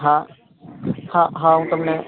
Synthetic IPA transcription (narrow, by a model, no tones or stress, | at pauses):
ɦã | hãɦãũt̪ɐmne